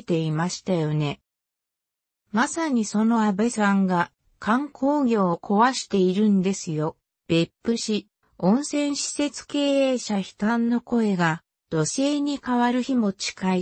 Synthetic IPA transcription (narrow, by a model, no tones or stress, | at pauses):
t̪e̞imaɕi̥t̪ajo̞ne̞ | masaɲ̟iso̞no̞abesãŋɡa | kʰãŋkʰo̞ːɡʲo̞ːkʰo̞βaɕi̥t̪e̞iɾɯ̟̃nd̪e̞sɨjo̞ | b̥e̞pːɯ̟ɕi | õ̞ɰ̃sẽ̞ɰ̃ɕi̥se̞t͡sɨ̥ke̞ːe̞ːɕaçi̥t̪ãnːo̞ko̞e̞ɡa | d̪̥o̞se̞ːɲ̟ikaβaɾɯ̟çimo̞t͡ɕi̥kai